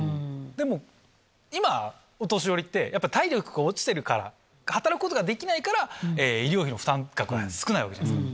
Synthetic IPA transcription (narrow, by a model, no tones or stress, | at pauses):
d̪e̞mo̞ | ima | ot̪o̞ɕ̬io̞ɾʲit̪ːe̞jʔapːait̪aiɾʲokɯ̟ɡaot͡ɕi̥t̪e̞ɾɯ̟kaɾa̰ | hat̪aɾakɯ̟kot̪oɡad̪e̞kʲinaikaɾaeːiɾʲio̞ːçʲino̞ɸɯ̥ãŋkakɯ̟βa̰sɨ̥kɯ̟naiβakaa̰ḭsk